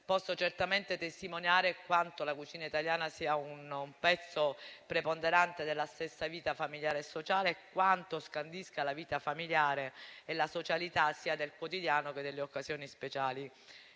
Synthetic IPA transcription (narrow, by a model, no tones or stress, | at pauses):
pɔsːot͡ʃert̪ament̪et̪est̪imonjaːɾekwant̪olakut͡ʃiːnait̪aljaːnasiːaunumpɛt̪sːopɾepond̪eɾant̪ed̪elːast̪esːaviːt̪afamiljaːɾesːot͡ʃaːleːkːwant̪oskand̪iskalaviːt̪afamiljaːɾeelasot͡ʃalit̪asːiːad̪elkwot̪id̪jaːnoked̪ːelːeokːasjoːnispet͡ʃaːli